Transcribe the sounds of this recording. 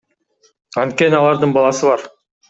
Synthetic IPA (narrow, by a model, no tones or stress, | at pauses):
ɑnt̪̚kʲe̞nɪɑlˠɑɾd̪ɯɴbɑlˠɑsɯβɑɾ